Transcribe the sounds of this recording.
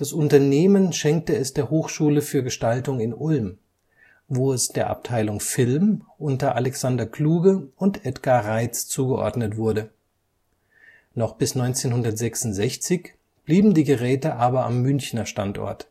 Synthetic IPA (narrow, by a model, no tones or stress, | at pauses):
d̥asʔʊntɐneːmənʃɛŋk̚təɛsd̥eːɐhoːxʃuːləfyːɐɡəʃtaltʊŋɪnʔʊlm | voːɛsd̥eːɐʔa̰p̚tʰaɪlʊŋfɪlmʔʊntɐʔalɛksandɐkʰl̥uːɡəʊntʔɛtɡ̥aʁaɪt͡st͡suːɡəʔɔ̰ɐdnətv̥ʊɐdə | nɔχb̥ɪsnɔʏnt͡seːnhʊndɐtz̥ɛksʊntz̥ɛçt͡sɪç | b̥liːbm̩diːɡəʁɛːtəʔaːbɐa̰mːʏnçnɐʃtantʔɔ̰ɐt